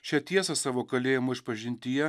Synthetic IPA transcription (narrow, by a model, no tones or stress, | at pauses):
ʃʲɛt̪ʲiɛsɐsɑːʋoːkɐlʲeːjɪmoɪʃpɐʒʲɪnʲt̪ʲɪjɛ